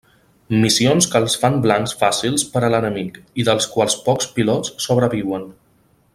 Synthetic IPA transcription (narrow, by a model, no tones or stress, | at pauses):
misionskəlˠsfamblaŋsfasilˠspəɾələnəmikiðəlˠskwalˠspɔkspilɔt͡sːoβɾəβiwən